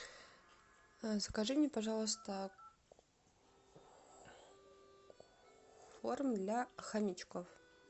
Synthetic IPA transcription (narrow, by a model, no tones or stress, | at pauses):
skaʐɨmnʲepaʐɑlˠəs̬t̪ə | formd̪lʲaxamʲit͡ɕkof